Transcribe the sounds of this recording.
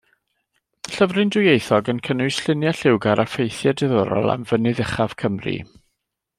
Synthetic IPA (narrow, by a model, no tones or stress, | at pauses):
ɬəvrɨndʊjejθɔɡənkʰənʊɨsɬɪnjaɬɪwɡaɾafejθjadɪðɔɾɔ̰lˠa̰mvənɨðɪχav̥kʰəmrḭ